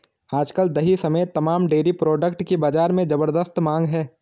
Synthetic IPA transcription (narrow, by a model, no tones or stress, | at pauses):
aːd͡ʒkəld̪ɐɦisɐmeːt̪ːɐmaːmɖeːɾipɾɔːɖəkʈkibaːd͡ʒaːɾmẽd͡ʒɐbəɾd̪əst̪mãːŋɡɦɛː